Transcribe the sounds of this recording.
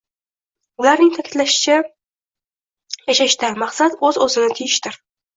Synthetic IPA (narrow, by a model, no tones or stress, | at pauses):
ʊlaɾnɪŋt̪ʰakʲʰɪt̪laʃɪ̥t͡ʃʰa | jaʃaʃt̪amaqsat̪ɵzɵzɪnɪt̪ʰɪjɪʃt̪ɪɾ